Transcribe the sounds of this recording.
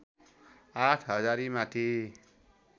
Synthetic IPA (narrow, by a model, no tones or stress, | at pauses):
aʈʰɦʌd͡zaɾimãt̪ʰi